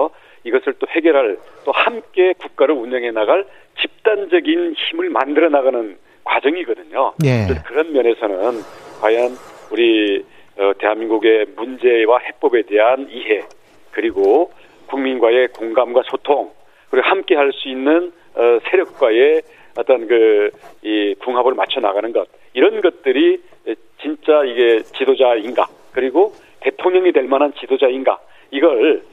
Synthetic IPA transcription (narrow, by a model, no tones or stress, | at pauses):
iɡʌsʰɯɭt͈oɸe̞ɡjʌɾɦaɭt͈ohamk͈e̞kuk̚k͈aɾɯɾuɲʌŋɦe̞naɡaɭ | t͡ɕip̚t͈and͡ʑʌɡinçimɯɭmandɯɾʌnaɡanɯn | kwad͡ʑʌŋiɡʌdɯɲojesʰʌkɯɾʌnmjʌne̞sʰʌnɯnkwajʌnuɾi | ʌte̞ɦanminɡuɡe̞mund͡ʑe̞wahe̞p͈ʌbe̞de̞ɦaniɦe̞ | kɯɾiɡo | kuŋminɡwae̞koŋɡamɡwasʰotʰoŋ | kɯɾiɡohamk͈e̞ɦaɭs͈uinːɯn | ʌsʰe̞ɾjʌk̚k͈wae̞ | ʌt͈ʌnkɯikuŋɦabɯɭmat͡ɕʰʌna̰ɡanɯnɡʌt̚ | iɾʌnɡʌt̚t͈ɯɾi | t͡ɕint͡ɕ͈aiɡe̞t͡ɕidod͡ʑainɡa̰ | kɯɾiɡo | te̞tʰoŋɲʌŋidwe̞ɭmanɦant͡ɕidod͡ʑainɡa̰ | iɡʌɭ